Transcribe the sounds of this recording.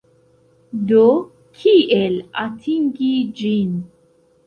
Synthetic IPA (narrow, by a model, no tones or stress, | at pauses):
do | kʰiʔelatʰiŋɡid͡ʒin